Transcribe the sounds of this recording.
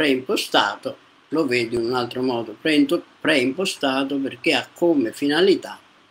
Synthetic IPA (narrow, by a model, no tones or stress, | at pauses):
pɾɛimpost̪a̰ːt̪o | loveːd̪iununalt̪ɾomɔːd̪opɾɛnt̪opɾɛimpost̪aːt̪̬operk̟eakʰːomefinalit̪a